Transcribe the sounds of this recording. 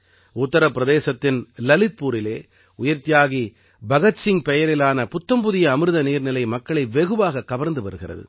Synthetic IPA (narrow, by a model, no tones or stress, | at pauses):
ʊt̪ːɐɾɐpːɪɾɐðeːsɐt̪ːɪnlɐlɪt̪̚puːɾɪleː | ʊjɐɾt̪ɪjaːɣi | bɐɣɐtsɪŋpɛjɐɾɪlaːnɐpʊt̪ːɐmbʊðɪjɐːmɯɾɯðɐniːɾnɪlɐɪmɐkːɐɭɐɪʋɛɣɯʋaːɣɐkːɐʋɐɾnd̪ɯpɐɾɯɣɪrɐ̰ðɯ̰